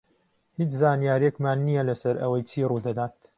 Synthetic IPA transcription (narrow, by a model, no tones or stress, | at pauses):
hit͡ʃzaːnijaːɾekmaːnːijɐlɐsɐɾɐ̰wɐjt͡ʃʰiːruːd̪ɐd̪aːt̪